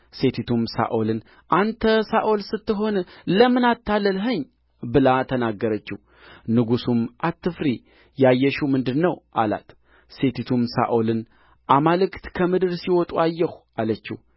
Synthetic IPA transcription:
se̞t̪ʰit̪ʰumsa̰ʔolɨn | ʔant̪ʰəsaʔo̞lsɨt̪ːɨɦo̞nləmɨnat̪ːalːəlɦəɲː | bɨlat̪ʰənaɡːəɾət͡ʃːɪ̰h | nɨɡusumʔat̪ːɨfɾi | jajːɛʃumɨnd̪ɨnːəwʔa̰la̰t̪ | se̞t̪ʰit̪ʰumsa̰ʔolɨn | ʔamalɨkt̪kʰəmɨd̪ɨɾsiwɔt̪ʼuajːɛh | alət͡ʃːɪ̰h

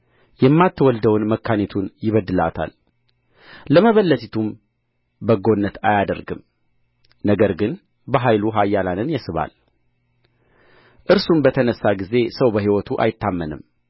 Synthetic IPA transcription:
jɛmːat̪ʰːəwɔld̪əwnməkʰːanet̪ʰunjɪβəd̪ːɨla̰t̪ʰa̰l | ləməβəlːət̪ʰit̪ʰum | bəɡo̞nːət̪ajad̪əɾɡɨm | nəɡəɾɡɨn | bəɦajluɦajːalanɨnjɛsɨβa̰l | ʔɨɾsumbət̪ʰənəsːaɡize̞səwbəɦiwɔt̪ʰuʔa̰jɪt̪ːamːənɨm

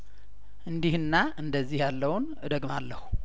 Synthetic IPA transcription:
ʔɨnd̪ihɨnːaʔɨnd̪əzːihjalːəwn | d̪əɡmalːəhu

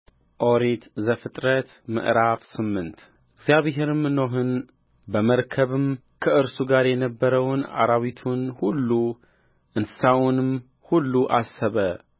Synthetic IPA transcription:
ʔo̞ɾit̪zəfɨt̪ʼɾət̪ | mɨ̰ʔɾafsɨmːɨnt̪ | ɨɡzjaβɦeɾɨmɨnoɦɨn | bəməɾkʰəβɨm | kʰəʔɨɾsuɡaɾjɛnəbːəɾəwna̰ɾaβit̪ʰunhulːu | ʔɨnsɨ̥sawnɨm | hulːuʔasːəβə

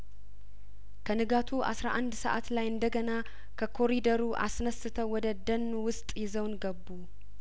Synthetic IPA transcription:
kʰənɨɡat̪ʰuʔa̰sɾaʔand̪səʔa̰t̪lajɨnd̪əɡəna | kʰəkʰo̞ɾid̪əɾuʔa̰snəsɨt̪ʰəwwɔd̪əd̪ənːuwʊst̪ʼjɪzəwnɡəbːu

